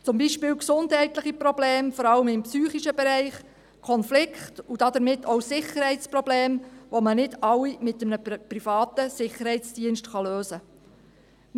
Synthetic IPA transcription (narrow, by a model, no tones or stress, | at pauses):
t͡sʊmbiʃpɪːlksʊndɦɛɪtlɪχiprɔbleːmfɔɾɑləmɪmpsyːχiʃəbɛɾɛɪχ | kʰɔnflɪkχtud̥ɑdəɾmɪtʰːoʊsɪχəɾhɛɪtt͡sprɔbleːmʋomənɪdɑlːimɪtəmnəprifɑːtəsɪχːəɾhɛɪt͡sd̥iənʃtχɑløːzə